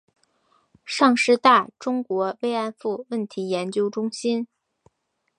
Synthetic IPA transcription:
ʂɑ˥˧ŋʂɻ̩˥˧t̪a˥˩ʈ͡ʂʊ˥ŋkwɔ˧˥we˥ɪa˥˧nfu˥˧wə˥˩nt̪ʰi˧˥jɛ˧˥nt͡ɕjo˥ʊʈ͡ʂʊ˥ŋɕi˥n

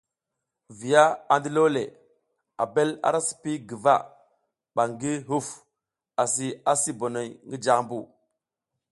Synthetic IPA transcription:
vi˨ja˦a˨ndi˦lo˦lḛ˨ | a̰˨be˦la̰˦˨ɾa˦si̥˨pi˦ɡi˨va̰˦˨ | ɓa˨ŋɡi˦ɦu˦f | a˨si˨a˦si˦bo˨no˨jŋɡi˦d͡ʒa˨mbu˦˨

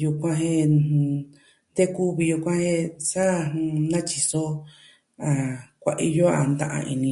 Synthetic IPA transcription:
ju˧kʷã˧ɦẽ˦˧ | d̪e˦ku˦βi˧ju˧kʷã˦hẽ˦sa˦˧nã˦t͡ʃi˧so˦ | a˨kʷa˨˧ʔḭ˧jo˦a˨nd̪ã̰˧ʔã̰˧ʔḭ˧nĩ˧

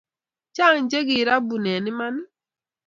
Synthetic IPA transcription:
t͡ʃa˦˨ŋ˦d͡ʒe˦ɡi˨ɾa˦bu˨nɛ˨nɪ˦ma˦nɪ˦

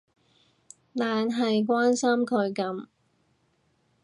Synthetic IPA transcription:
laː˨nɦɐ˨jk̬waː˥nsɐ˥mkʰɵ˨˧ɥkɐ˨˥m

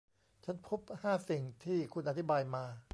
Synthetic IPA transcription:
t͡ɕʰa˦˥npʰu˦˥p̚haː˥˩si˨˩ŋt̪ʰiː˥˩kʰu˧nʔa˧t̪ʰi˦˥baː˧jmaː˧

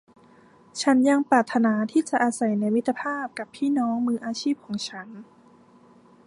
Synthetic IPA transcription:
t͡ɕʰa˦˥nja˧ŋpɾaː˨˩t̪ʰːa˧naː˧˦t̪ʰiː˥˩t͡ɕa˨˩ʔaː˧sa˨˩jna˧jmi˦˥t̪ʰːa˧pʰaː˥˩p̚ka˨˩pʰːiː˥˨nɔː˦˥ŋmɯː˧ʔaː˧t͡ɕʰiː˥˩p̚kʰɔː˩˦ŋt͡ɕʰa˦˥n

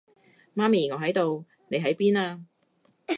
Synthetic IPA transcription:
maː˥miː˨˩ŋɔː˨˧ɦɐ˨˥jt̪o˨w | ne˨˧ɦɐ˨˥jpiː˥naː˧

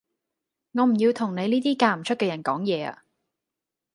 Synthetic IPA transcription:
ŋɔː˨˧m̩˨˩jiː˧wt̪ʰʊ˨˩ŋne˨˧jniː˥t̪iː˥kaː˧m̩˨˩t͡ʃʰɵ˥t̚kɛː˧jɐ˨˩nkɔː˨˥ŋjɛː˨˧a̰ː˧

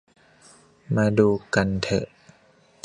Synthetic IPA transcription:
maː˧duː˧ka˧nt̪ʰɤ̰˨˩ʔ

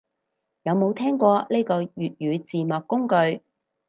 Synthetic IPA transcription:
jɐ˨˧wmo˨˧wt̪ʰɛː˥ŋkʷɔː˧le˥jkɔː˧jyː˨t̚jyː˨˧t͡siː˨mɔː˨˩kːʊ˥ŋkɵ˧ɥ

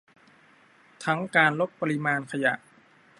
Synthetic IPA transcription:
t̪ʰa˦˥ŋkaː˧nlo˦˥p̪̚pa˧ɾi˦˥maː˧nkʰa˧ja̰˨˩ʔ

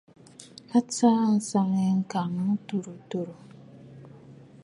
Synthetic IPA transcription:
a˦t͡sa˦˨n̩˨sa˦ŋɛ˦ŋ̩˦ka˨nũ˦tu˨ɾu˨to˨ɾo˨

